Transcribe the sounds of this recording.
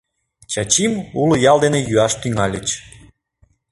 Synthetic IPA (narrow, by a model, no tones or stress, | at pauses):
t͡ɕɑt͡ɕimulojɑlˠd̪enejyɑʃt̪yŋɑlʲət͡ɕ